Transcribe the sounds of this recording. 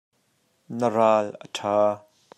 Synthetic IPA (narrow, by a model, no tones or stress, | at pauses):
nəraːlʔə̰tʰaː